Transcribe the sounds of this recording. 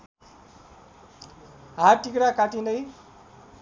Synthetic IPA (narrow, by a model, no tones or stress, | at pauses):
ɦaʈikɾakaʈinʌj